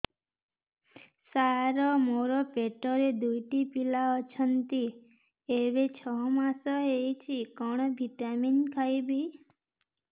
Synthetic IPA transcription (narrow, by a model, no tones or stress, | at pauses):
saɾɔmoɾɔpeʈɔɾed̪ujʈipilaɔt͡ʃʰənt̪i | eɾet͡ʃʰɔɦmasɔɦejt͡ʃʰikɔɽ̃ɔbʱiʈaminkʰajbʱi